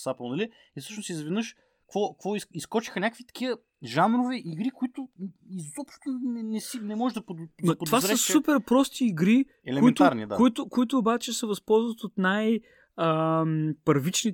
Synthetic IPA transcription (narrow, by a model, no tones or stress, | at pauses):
sapəlˠnɐli | ifsɤəʃnosizvɛd̪nɤəʃ | kvɔkvɔiiskɔt͡ʃi̥xənʲakəkvit̪ɐ̥k̟iə | ʒamɾovɛʔiɡɾikʊit̪ʊizɔpʃt̪onɛnɛsinɛmɔʒɛʒd̪ɐpod̪dnɐpod̪ovaɛəsupɛɾpɾɔst̪iːɡɾikɛlɛʊɛint̪ʊaɾnid̪akʊit̪ʊkʊit̪ʊːbat͡ʃɛsɛvɐspɔlˠzvət̪ot̪naj | əmpɐɾvit͡ʃni